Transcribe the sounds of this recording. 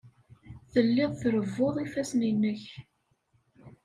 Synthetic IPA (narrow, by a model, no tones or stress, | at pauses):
θəlːɪðˤθɾəvːoðˤifæsninːəç